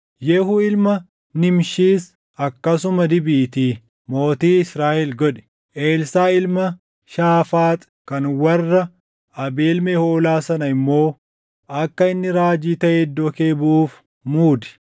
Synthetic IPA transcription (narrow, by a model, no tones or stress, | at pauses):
jɛhuːɪlmɐ | nɪmʃiːs | ɐkːɐsʊmɐd̪ɪbiːt̪iː | mo̞ːt̪iːɪsɾaːʔɛlɡɔᶑɛ̥ | ʔeːlsaːɪlmɐ | ʃaːfaːt̪ʼ | kɐnwɐrːɐ | ɐbeːlmehoːlaːsɐnɐɪmːo̞ː | ɐkːɐɪnːɪɾaːd͡ʒiːt̪ɐʔeːd̪ːokeːbʊʔuːf | muːd̪ɛ̥